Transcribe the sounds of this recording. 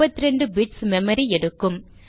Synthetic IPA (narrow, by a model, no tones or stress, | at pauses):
ɐt̪ːɪɾɛɳɖɯbɪʈsmɛmɐɾiɛɽɯkːɯm